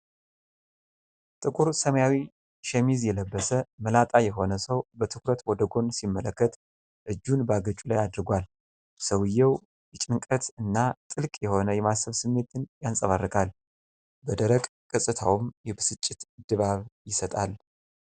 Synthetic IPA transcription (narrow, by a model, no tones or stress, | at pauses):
t̪ʼɨkʼuɾsəməjawi | ʃɛmizjɛləbːəsəməlat̪ʼajɛɦo̞nəsəwbət̪ʰɨkɾət̪wɔd̪əɡo̞nsimːələkːət̪ | ʔɨd͡ʒːunbəaɡət͡ʃʼulajad̪ɨɾɡʷal | səwɨjːɛw | jɪt͡ʃʼɪŋkʼət̪ɨnːat̪ʼɨlkʼjɛho̞nəjɛmasəβsɨmːe̞t̪ɨnjansʼəβarːɨkʼal | bəd̪əɾəkʼ | kʼɨsʼɨt̪ʰawumjɛbɨsɨt͡ʃʼːɪt̪d̪̥ɨβaβjɪsət̪ʼal